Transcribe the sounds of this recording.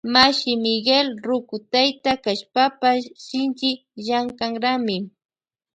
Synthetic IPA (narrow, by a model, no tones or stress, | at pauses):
maʃɪmɪɡelɾʊkʊt̪ajt̪akaʃpapaʃɪnt͡ʃɪ | ʒaŋkaŋɾamɪ